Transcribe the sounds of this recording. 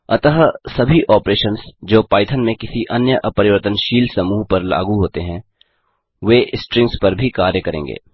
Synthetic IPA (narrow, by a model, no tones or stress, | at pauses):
ɐt̪əɦsɐbʱiʔɔːpɾeːʃənsd͡ʒoːpaːɪt̪ʰənmẽkɪsiʔɐnjəʔɐpɐɾɪʋəɾt̪ənʃiːlsɐmuːɦpɐɾla̰ːɡuɦoːt̪eɦɛ̃ | ʋeːʔɪsʈɾɪ̃ŋɡspɐɾbʱikaːɾjəkɐɾḛ̃ːŋɡḛː